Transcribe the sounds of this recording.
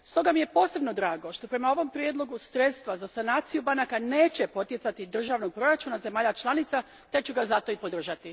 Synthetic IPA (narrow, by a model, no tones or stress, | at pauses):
st̪o̞ɡamije̞po̞ːse̞bno̞d̪ɾaːɡo̞ʃt̪o̞pɾe̞mao̞ʋo̞mpɾjed̪lˠo̞ɡusɾe̞t̪st̪ʋazasanaːt̪sijubanakane̞ːt͡ɕe̞po̞t̪je̞sat̪id̪r̩ʒaːʋno̞ɡ̚pɾo̞ɾat͡ʃunaze̞maːʎat͡ʃlˠanit̪sa | t̪ekt͡ʃuɡazat̪o̞ipo̞d̪r̩ʒat̪i